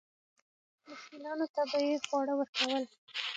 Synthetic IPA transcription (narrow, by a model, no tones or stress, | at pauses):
mʊxkilɑnot̪abəjexwɑɽəwəɾkawəl